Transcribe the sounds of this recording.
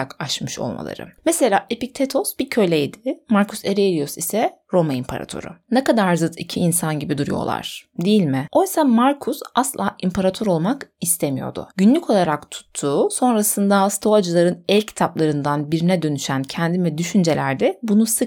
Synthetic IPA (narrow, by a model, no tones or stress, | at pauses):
akaʃmɯʃo̞̰lˠma̰lˠa̰ɾɯ̰mese̞lʲaːʔepic̚t̪ʰet̪ʰo̞sbicʰø̞lʲejd̪ɪmaɾkʰuseɾeelʲijosisɛ | ɾo̞maimpʰaɾa̰t̪ʰo̰ɾṵnɛkad̪aɾzɯt̪ʰicʰiːnsanɟibid̪uɾṵjo̞̰lˠa̰ɾ̥d̪ijilʲmɪo̞jsamaɾkʰusaslˠa̰ːʔimpʰaɾat̪ʰoɾo̞lˠmakist̪ʰemijo̞̰d̪ʊ̰ɟynlʲyco̞lˠaɾakt̪ʰu̥t̪ʰːuːso̞nɾasɯnd̪ast̪ʰoad͡ʒɯlˠaɾɯnɛlʲcʰi̥t̪ʰaplˠaɾɯnd̪anbiɾinɛd̪ø̞nyʃæncʰænd̪imɛd̪yʃynd͡ʒe̞lʲæɾd̪ɛbunusɯk